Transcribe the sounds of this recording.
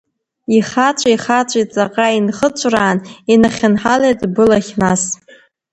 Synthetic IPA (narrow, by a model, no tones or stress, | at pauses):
iχat͡ʃʷʼiχat͡ʃʷʼit͡sʼaqʼainχət͡ʃʷʼraːninaχʲanħalejtʼbɨlaχʲnas